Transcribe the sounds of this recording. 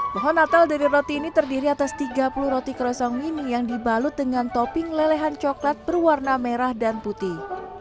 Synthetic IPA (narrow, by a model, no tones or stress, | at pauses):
mɔɦɔnat̪aldaɾiɾot̪iːnit̪ərdiɾiat̪ast̪iɡapuluhɾot̪ikəɾɔsaŋwinijaŋdibalʊt̪̚dəŋant̪ɔpɪŋlelɛɦant͡ʃɔklat̪̚bərwarnameɾahdanput̪i